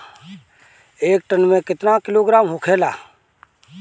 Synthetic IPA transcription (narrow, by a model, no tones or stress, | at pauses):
eːk̚ʈənmẽkɪt̪nakɪloːɡɾaːmɦʊkʰeːla̰ː